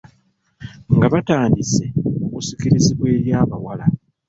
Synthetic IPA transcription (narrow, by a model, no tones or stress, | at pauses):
ŋɡaβataːndise̞oβusikiɾiziβwe̞ːɾjaːβawala